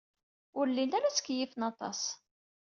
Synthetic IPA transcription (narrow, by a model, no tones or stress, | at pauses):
ʊɾlːinæɾæsə̥kːjifənɑt̪ˤɑ̰s